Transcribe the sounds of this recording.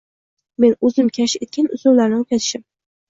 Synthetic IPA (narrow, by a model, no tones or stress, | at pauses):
me̞nɵzɪmkʲʰaʃet̪̚kʲanʊzowlaɾnɪop̚kʲat̪ʰɪ̥ʃɪm